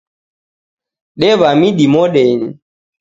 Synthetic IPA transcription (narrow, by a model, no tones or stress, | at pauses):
ɗɛβamiɗimɔɗɛni